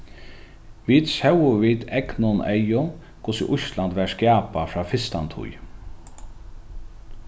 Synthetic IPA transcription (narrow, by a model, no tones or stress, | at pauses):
ʋiːt̪sɛwʊʋiːd̪ɛknʊnɛ̰jʊn | kʰʊsḭʔʊʃland̪ʋɛskjaːpafɹaːfɪst̪a̰nt̪ʰʊ̰j